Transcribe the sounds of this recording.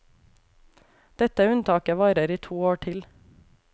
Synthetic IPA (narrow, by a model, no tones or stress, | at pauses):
d̪̥ɛt̪əʉnt̪ʰɑːkəʋɑːɾəɾiːt̪ʰuːoːʈʰɪl